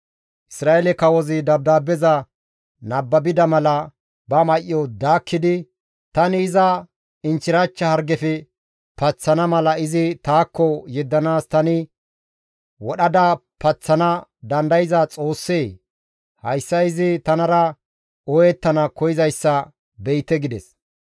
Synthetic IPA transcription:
ʔɪsɾaːʔɛlɛkɐwɔzɪd̪ɐb̚d̪aːbɛzɐ | nɐbːɐbɪd̪ɐmɐlɐ | bɐmɐʔɪːɔd̪aːkʰːɪd̪ɪ | t̪ɐnɪːzɐ | ɪnt͡ʃɪɾɐt͡ʃːɐhɐɾɡɛfɛ | pɐt͡sːɐnɐmɐlɐɪzɪt̪aːkʰːɔjɛd̪ːɐnaːst̪ɐnɪ | wɔɗɐd̪ɐ | pɐt͡sːɐnɐd̪ɐnd̪ɐjɪzɐt͡sʼo̞ːsːeː | hɐjsːɐɪzɪt̪ɐnɐɾɐ | ɔjɛt̪ːɐnɐkɔjɪzɐjsːɐ | bɛjt̪ːɛɡɪd̪ɛs

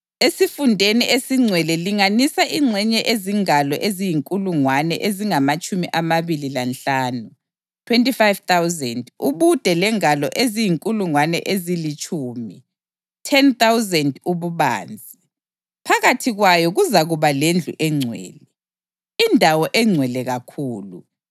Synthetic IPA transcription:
esifundʱeniʔesiŋ͡ǀʱwɛlɛliŋanisaʔiŋ͡ǀʱɛɲɛʔeziŋalɔ̰ʔezijiŋkʼuluŋwanɛ̰ʔeziŋamat͡ʃʼumiʔamaβililanɬaːnu | tʰwentʼifajv̥t̪awzɛnduβud̥ʱɛlɛŋalɔ̰ʔezijiŋkʼuluŋwanɛ̰ʔezilit͡ʃʼuːmi | tʰɛnt̪awzɛnduβuβa̰ːnd͡zʱi | pʰaɣatʰiɣwajɔɣuzaɣuβalend͡ɮʱṵʔɛŋ͡ǀʱwɛ̰ːlɛ | indʱawɔʔɛŋ͡ǀʱwɛlɛɣakʰuːlu

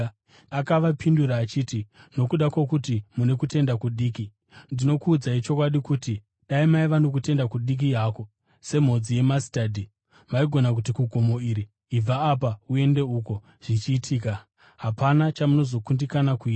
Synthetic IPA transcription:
akaʋapinduɾaːt͡ʃiːtino̞kuɗakwokutimune̞kute̞ndakuɗiːki | ndino̞kuːd͡zait͡ʃo̞kwaɗikuti | ɗaimaiʋano̞k̬ute̞ndakuɗik̬ijaːko̞ | se̞m̤o̞d͡zije̞masi̥taːdʱi | maiɡʱo̞nak̬utikuɡʱomo̞iɾiː | b͡vaːp̬aue̞nde̞uko̞ | ʐ̥it͡ʃiːtʰiːka | ɦapanat͡ʃamuno̞zo̞kundikanakuiːta

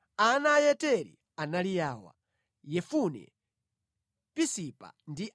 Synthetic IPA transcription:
anajɛtɛɾḭ | analijaːwa̰ | jɛfunɛ̰ | pisipa̰ndi

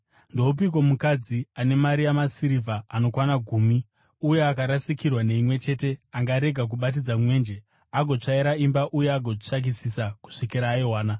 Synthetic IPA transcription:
ndo̞up̬ik̬o̞mukad͡ziane̞maɾijamasiɾivʱaːno̞kwanaɡʱuːmi | uje̞akaɾasikirwane̞imwe̞t͡ʃe̞te̞aŋɡaɾe̞ɡʱak̬uɓat̬id͡zamwe̞ːnd͡ʒe̞ | aɡʱo̞t͡ʂaiɾaimbaʔuje̞aɡʱo̞t͡ʂaɡ̬isisaku̥ʂikiɾaːiɦwaːna

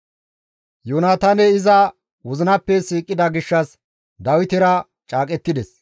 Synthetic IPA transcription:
joːnaːt̪aːnɛɪzɐ | wɔzɪnɐpːɛsiːkʼːɪd̪ɐɡɪʃːɐs | d̪ɐwɪt̪ɪɾɐ | t͡ʃʼaːkʼɛt̪ːɪd̪ɛs

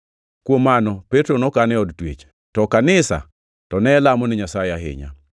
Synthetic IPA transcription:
kwomːanɔpɛtɾonɔkanɛɔdtwḛt͡ʃ | tɔkanɪsa̰ | tɔnɛlamɔnɪɲasajɪaɦɪ̰ɲa̰

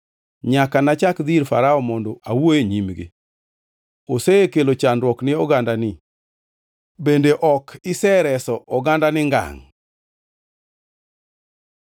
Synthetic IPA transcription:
ɲakanat͡ʃakd̪iɾfa̰ɾaɔmɔndɔʔawojeɲimɡɪ̰ | oseekelot͡ʃanɾwɔknɪɔɡandanɪ | bendeʔɔkʰɪsɛɾɛsɔʔɔɡandanɪŋɡa̰ŋ

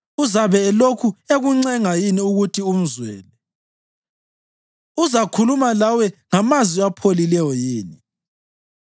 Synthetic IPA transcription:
uzaβɛːlokʰueɣuŋ͡ǀɛŋajiniuɣutʰium̩zwɛ̰ːlɛ | uzakʰulumalawɛŋamaziapʰolilɛjɔjiːni

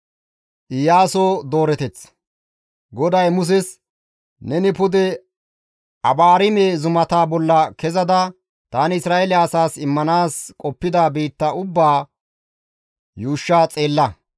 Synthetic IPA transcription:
ʔɪjaːsod̪o̞ːɾɛt̪ɛt͡s | ɡɔd̪ɐjmʊs̬ɛs | nɛnɪpʊd̪ɛ | ɐbaːɾɪmeːzʊmɐt̪aːbɔlːɐkɛzɐd̪ɐ | t̪aːnɪɪsɾaːʔelɪːsaːsɪmːɐnaːskʼɔpːɪd̪abiːt̪ːɐʊbːaː | juːʃːaːt͡sʼe̞ːlːɐ

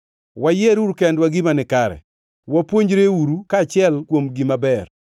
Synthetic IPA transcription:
wajeɾuɾukɛndwaɡimanɪkaɾɛ̰ | wapwoɲd͡ʒɾeuɾukaːt͡ʃɪɛlkwomɡimabɛr

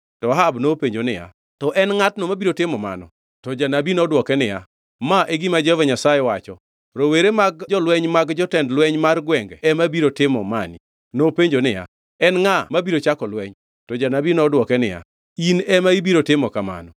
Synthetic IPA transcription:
tɔɦabnopeɲd͡ʒonɪja̰ | tɔʔɛnŋatnomabiɾotɪmɔma̰nɔ̰ | tɔd͡ʒanabinɔdwɔkɛnɪja̰ | maʔeɡimad͡ʒvaɲasajɛwat͡ʃɔ | ɾoweɾemaɡd͡ʒɔlwɛɲmaɡd͡ʒɔtɛndlwɛɲmarɡwɛŋɡɛɛmabiɾotɪmɔ̰manḭ | nopeɲd͡ʒonɪja̰ | ɛnŋamabiɾot͡ʃakɔlwɛɲ | tɔd͡ʒanabinɔdwɔkɛnɪja̰ | inɛmaibiɾotɪmɔkama̰nɔ

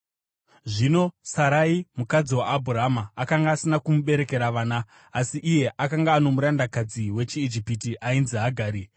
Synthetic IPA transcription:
ʐino̞saɾaimukad͡ziwaːbʱuraɦamaːkaŋɡaːsinakumuɓe̞ɾe̞ke̞ɾaʋaːnaː | siʔːje̞ʔakaŋɡaːno̞muɾandakad͡ziwe̞t͡ʃiːd͡ʒipitiʔainziɦaɡʱaːɾi

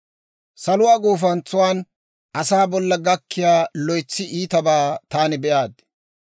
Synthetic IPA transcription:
sɐlʊwaːɡoːfɐnt͡sːʊwaːn | ʔɐsaːbɔlːɐɡɐkʰːɪjaːlɔjt͡sːɪʔiːt̪ɐbaːt̪aːnɪbɛʔaːd̪

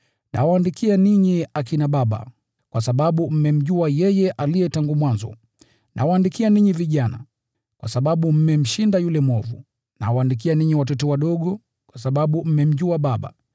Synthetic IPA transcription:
nʔa̰waandikianiɲiakinaɓaɓa̰ | kwʔasaɓaɓum̩mɛm̩ʄuajɛjɛʔalijɛtaŋɡumwanzɔ̰ | nʔa̰waːndikianiɲiviʄana̰ | kwʔasaɓaɓum̩mɛm̩ʃindajulɛmɔvṵ | na̰waːndik̬ianiɲiwatɔtɔwaɗɔɠɔ | kwasaɓaɓum̩mɛm̩ʄuaɓaɓa̰

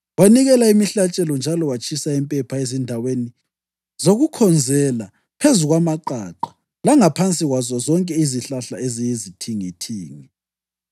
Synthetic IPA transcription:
waniɣɛlaimiɬat͡ʃʼɛlɔnd͡ʒʱalɔwat͡ʃʰʼisaɛmpʼɛpʰaezindʱaweni | zoɣukʰɔnd͡zʱɛla | pʰezuɣwamaǃaǃḁ | laŋapʰant͡sʼiɣwazɔzɔŋkʼɛiziɬaɬa̰ʔezijizitʰiŋitʰiːŋi

